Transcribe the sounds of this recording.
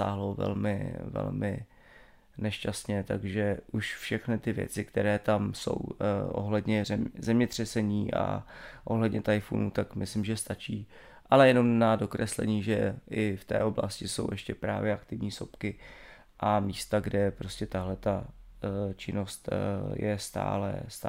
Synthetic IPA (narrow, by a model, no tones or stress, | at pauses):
a̰ːɦlowvɛ̰lmɪ̰vɛ̰lmɪ̰ | nɛʃcast̪ɲɛt̪aɡʒɛʔuʃfʃɛxnɪt̪ɪvjɛ̰t͡sɪkt̪ɛɾɛːt̪amso̞̰wʔo̞̰ɦlɛdɲɛrɛmzɛmɲɛt̪r̥ɛsɛɲiːʔa̰ʔo̞ɦlɛdɲɛt̪ajfṵnut̪akmɪslɪmʒɛst̪at͡ʃiː | ʔalɛjɛno̞mnado̞kɾɛslɛ̰ɲiːʒɛɪft̪ɛ̰ːʔo̞bla̰scɪso̞̰wjɛʃcɛpɾa̰ːvjɛakt̪ɪvɲiːso̞pkɪ | ʔamiːst̪aɡdɛpɾo̞scɛt̪aɦlɛt̪a | t͡ʃɪno̞st̪jɛ̰st̪a̰ːlɛ̰st̪